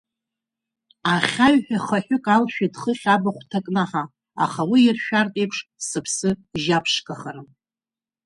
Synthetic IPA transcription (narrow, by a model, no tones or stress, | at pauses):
aχʲaɥħᶣaχaħᶣʏkʼalʃᶣadχəχʲabaχʷtʰakʼnaħa | a̰χawiɪrʃᶣartʼejpʰʂsɨpʰsɨʒapʰʂkʼaχaɾɨm